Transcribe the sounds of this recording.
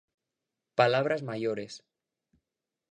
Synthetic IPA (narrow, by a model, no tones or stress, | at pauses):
palaβ̞ɾazmaʎoɾes